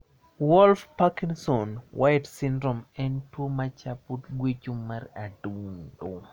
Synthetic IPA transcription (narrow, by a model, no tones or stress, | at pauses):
wɔlfpakiŋsɔnwʔajtsɪndɾɔmɛntwomat͡ʃaputɡwet͡ʃuaraduŋdo